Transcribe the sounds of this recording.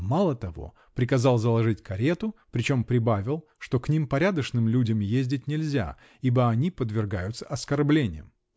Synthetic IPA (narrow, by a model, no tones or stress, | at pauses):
malˠət̪ɐvo̞̰ | pɾʲɪkɐzɑlˠzəlˠɐʐɨtʲkɐɾʲe̞t̪ʊpɾʲɪt͡ɕo̞mpɾʲɪbavʲɪlˠ | ʂt̪o̞knʲimpɐɾʲad̪əʂnɨmlʲudʲəmjezʲdʲɪt̚ʲnʲɪlʲzʲa̰ | ibəɐnʲipəd̪vʲɪrɡajʊt̪sə̥ɐskɐrblʲenʲɪ̰jə̰m